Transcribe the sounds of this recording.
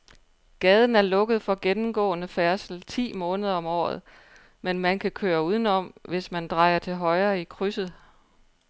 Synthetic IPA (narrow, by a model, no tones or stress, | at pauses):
ɡ̥ɛːð̞ˠn̩æɐlɔ̽ɡ̥əðˠfɒ̽ɡ̥enm̩ɡ̥ɔ̰̽ːnəfæɐsl̩t͡sʰḭːmɔ̽ːnəð̞ˠɐɒ̽mɒ̰ːð̩ˠ | menmænkʰækʰøːɐuːð̞ˠn̩ɒ̽m̰ʋe̝smænd̥ʁɑ̈ɪɐt͡sʰe̝lɦɒ̽ɪɐːikʰʁysð̩ˠ